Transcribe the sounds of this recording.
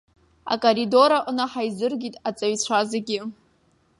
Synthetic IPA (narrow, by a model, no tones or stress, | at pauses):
a̰kʼoɾido̞ɾaʔnaħajzɨrɡʲitʼat͡sʼaɥt͡ɕʷʰazaɡʲɪ